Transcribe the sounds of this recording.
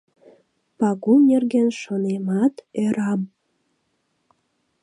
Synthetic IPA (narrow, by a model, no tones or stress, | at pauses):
pɑɣunerɣenʃonemɑt̪øɾɑm